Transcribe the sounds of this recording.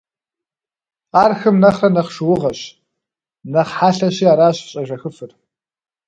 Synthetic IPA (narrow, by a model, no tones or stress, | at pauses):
aːrxɨmnɐχrɐnɐχʂɨwʊʁɐɕ | nɐχħaːɬɐɕiːaːɾaːɕɕʼɐʒɐxɨfɨr